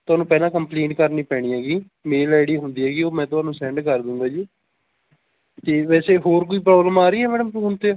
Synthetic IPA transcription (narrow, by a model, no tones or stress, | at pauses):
t̪ʊaːnũːpɛːlãːkəmpleːʈkəɾniːpɛːɽ̃iːɛːɡiː | meːlaːɪɽiːɦʊnd̪iːɦɛːɡiːoːmɛ̃ːt̪ʊɦãːnũːsɛ̃ːɳɖkəɾd̪ʊ̃ːɡ̪aːd͡ʒiː | t̪eːʋɛːseːɦoːɾkoːiːpɾɔːbləmaːɾiːɛːmɛːɖəmʊnt̪eaː